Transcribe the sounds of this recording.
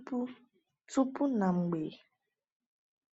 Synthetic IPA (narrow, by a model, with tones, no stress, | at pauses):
pu˦ | tu˦pu˦na˨ŋ͡m̩˨ɡ͡be˨